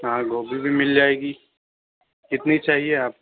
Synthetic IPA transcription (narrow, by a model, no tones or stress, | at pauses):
ɦãːɡʱoːbʱibʱimɪld͡ʒaːeːɡi | kɪt̪nit͡ʃaːɦieaːp̚